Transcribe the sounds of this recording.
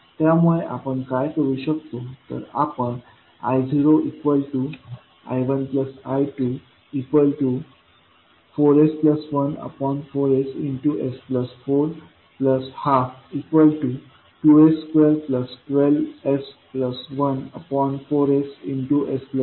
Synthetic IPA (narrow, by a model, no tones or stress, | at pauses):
t̪jamuɭeʔa̰pəɳkajkəɾuɕəkt̪ot̪ə̰ɾa̰pəɳ | a̰jd͡ziɾoʔikʋəlʈu | a̰jʋənpləsajʈu | ikʋəlʈu | foɾespləsʋənə̰pɔnfoɾesiɳʈuʔespləsfoɾ | pləshafikʋəlʈu | ʈueskʋelpləsʈʋelespləsʋənə̰pɔnfoɾesinʈuʔesplə